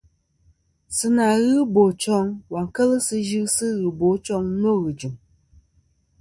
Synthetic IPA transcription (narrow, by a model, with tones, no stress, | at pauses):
sɨ˦na˨ɣɨ˦bo˨t͡ʃɔ˦ŋwa˨ŋ˨kə˦lɨ˦sɨ˧ʒɨ˦sɨ˦ɣɨ˨bo˨˦t͡ʃɔ˦ŋ˦no˦ɣɨ˨d͡ʒɨ˨m